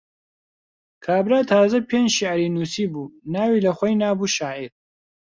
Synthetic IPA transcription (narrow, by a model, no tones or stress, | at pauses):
kʰaːbɾaːt̪ʰaːzɐpʰeːnd͡ʒʃiʕɾiːnuːsiːbuːnaːwiːlɐχʷɔjnaːbuːʃaːʕiɾ